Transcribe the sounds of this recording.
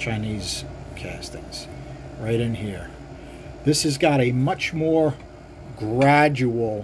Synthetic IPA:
t͡ʃʰãɪ̃niz̥ | kʰæ̰stɪks | ɹaɪɾɨ̃nhiɹ | ðɪshɨzɡɑɾɨmʌt͡ʃmɔɹ | ɡɹæd͡ʒul̩ˠ

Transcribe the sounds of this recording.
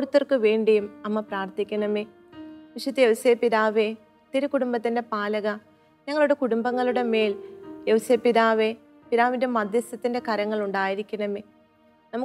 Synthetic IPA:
koɽut̪ːɐrkɨʋe̞ːɳɖijumɐmːɐpraːrt̪ikʲːɐnɐme | ʋiʂɐt̪ːijeʋseːpiðaːʋe | t̪iɾukuɽumbɐt̪ːindepaːlɐɣɐ | ɲɐŋːɐɭuɽe̞kuɽumbɐŋːɐɭuɽe̞me̞ːljewseːpiðaːʋe | piðaːʋindemɐd̪jɐsɐt̪ːinde̞kɐɾɐŋːɐɭuɳɖaːjiɾikʲːunɐme | nɐmu

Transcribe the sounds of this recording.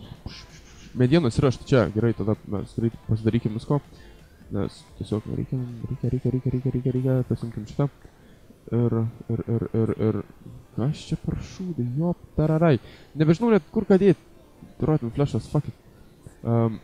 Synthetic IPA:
ʃ | mʲɛd̪ʲɪjɛnɐsʲɪɾɑʃt̪ɪ̥t͡ʃɛɡʲɛɾɐɪt̪ɐd̪ɐmʲɛ̰sɾɛtʲpɐsʲɪd̪ɐɾiːkʲɪmʋʲɪskoː | nʲɛ̰st̪ʲɛsʲoːknʲɛ̰ɾʲɛ̰ɪkʲɛmɾʲɛkʲɛɾʲɛkʲɛɾʲɛɪkʲɛɾʲɛɪkʲɛɾʲɛkʲɛɾʲɛːkʲɛp̪ɐsʲumʲkʲɪmʃɪ̥t̪ɛ | ɪɾɪɾɪɾɪɾɪ̰ɾkɐʃt͡ʃʲɛpɐɾʃuːd̪ɪjoːpt̪æɾæɾæjnʲɛbʲɛʒʲɪnɐʊnʲɛt̪kʊɾkɑːd̪ʲeːt̪̚ | t̪ɾʔoːt̪ʲmfʲlʲæʃɐsfɑkʲɪt̪̚ | ɐm

